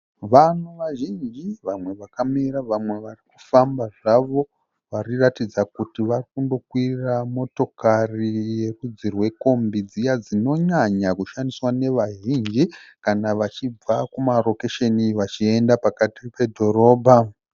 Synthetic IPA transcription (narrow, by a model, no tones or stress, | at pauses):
ʋanuʋaʒind͡ʒiʋamwe̞ʋakamiɾaʋamwe̞ʋarikufambaʐaʋo̞ | ʋariratid͡zakutiʋarikundo̞kwiramo̞to̞karije̞kud͡zirwe̞ko̞mbid͡zijad͡zino̞ɲaɲakuʃandiswane̞ʋaʒind͡ʒikanaʋat͡ʃib͡vakumaro̞keʃeniʋat͡ʃie̞ndapakatipe̞dʱo̞ɾo̞ːbʱa